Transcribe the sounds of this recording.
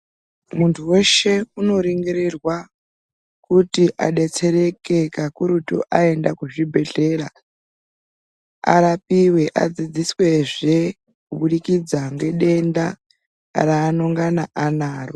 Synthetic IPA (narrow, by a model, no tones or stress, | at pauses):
muntʰuwe̞ʃe̞uno̞ɾiŋɡiɾirwa | kutiʔa̰ɗe̞t͡se̞ɾe̞ke̞kakuɾutṵʔae̞ndakuʐibʱe̞ɮe̞ɾa | a̰ɾapiwe̞ʔa̰d͡zid͡ziswe̞ʐe̞ | kuɓuɗikid͡zaŋɡe̞ɗe̞nda | ɾaːnoŋɡanaʔanaːro